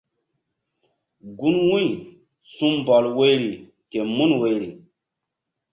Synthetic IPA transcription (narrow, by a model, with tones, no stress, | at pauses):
ɡu˦nwũ˦j | sũ˦mbɔ˨lwe˦jɾi˨ | ke˨mu˦nwe˦jɾi˨